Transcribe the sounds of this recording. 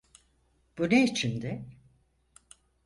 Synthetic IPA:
b̥uneit͡ʃʰind̪ɛ

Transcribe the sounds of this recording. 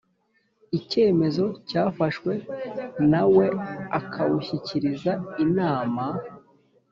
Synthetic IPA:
ice̞ːme̞zo̞caːfaʃwe̞nawe̞akʰawuçiciɾizainaːma

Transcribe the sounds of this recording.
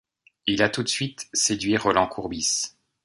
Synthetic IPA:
ilat̪ut̪sɥit̪sed̪ɥiʁɔlɑ̃kʰuʁbis

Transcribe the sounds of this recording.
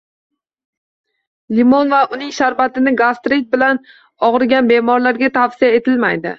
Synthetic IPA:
limonvaʊnɪŋʃaɾbat̪ɪnɪɡast̪ɾit̪̚bɪlan | ɒʁɨɾɡʲanbe̞mɒɾlaɾɡʲat̪ʰafsijae̞t̪ʰɪlmajd̪ɪ̰

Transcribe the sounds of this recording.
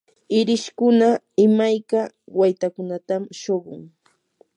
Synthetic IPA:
ɪɾɪʃkʊna | ɪmajka | wajt̪akʊnat̪amʃoɢʊ̰ŋ

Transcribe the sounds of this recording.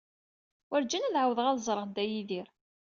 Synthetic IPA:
wæɾd͡ʒænælʕawəðəʁæðzˤɾˤəʁnd̪æjiðiɾ

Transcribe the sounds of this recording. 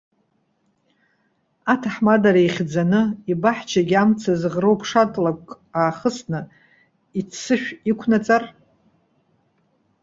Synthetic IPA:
atʰaħmadaɾaiχʲd͡zanɨibaħt͡ʃʰaɡʲamt͡sʰazʁrowpʰʂatʼlakʼ | aːχəsnɨ | isɨʃᶣikʷʰnat͡sʼar

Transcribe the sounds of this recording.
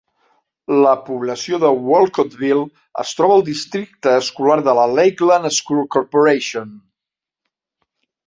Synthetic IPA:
ləpuβləsioðəwɔlˠkot̪βilˠ | ə̰st̪ɾɔβəlˠd̪ist̪ɾik̚t̪əːskulaɾðələlejklənəskulˠkorpuɾeʃion

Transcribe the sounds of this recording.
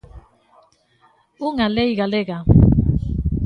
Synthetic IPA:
uŋalejɣaleɣa

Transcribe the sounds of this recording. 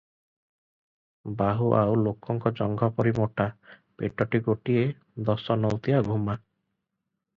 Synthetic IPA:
baɦuʔawlokɔŋkɔd͡ʒɔŋɡʱɔpɔɾimɔʈapeʈɔʈiɡoʈie | d̪ɔsɔnɔwt̪ijaɡʱuma

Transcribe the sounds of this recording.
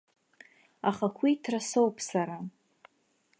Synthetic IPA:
aχakʷʰitʰrasowpʰʼsaɾa

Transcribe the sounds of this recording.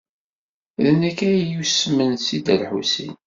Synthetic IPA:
ðənækːæjusmənsid̪ælħusḭn

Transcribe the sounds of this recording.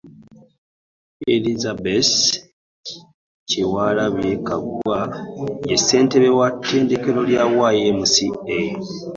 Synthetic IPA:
elizabes | ciwaːlaβjekaɡuajese̞ːnteβewatːe̞ːndeke̞ɾo̞ljawajemusie

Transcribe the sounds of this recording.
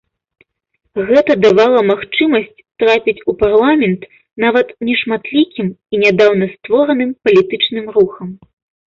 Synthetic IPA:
ɣɛt̪ɐd̪avalˠɐmaxt͡ʂɨmɐsʲt͡sʲt̪ɾapʲit͡sʲuparlˠamʲɛnt̪ | navɐt̪nʲɛʂmat̪lʲikʲiminʲad̪awnɐst̪vɔɾɐnɨmpɐlʲit̪ɨt͡ʂnɨmruxɐm

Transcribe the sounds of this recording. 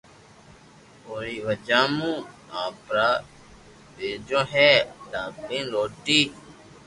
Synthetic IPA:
oːɾiːʋəd͡ʒaːmũːãːpɾaː | beːd͡ʒõːɦeːd̪aːbĩːnɾoːʈiː

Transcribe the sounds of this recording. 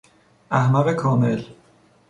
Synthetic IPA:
ʔæhmæɣekʰɒːmel

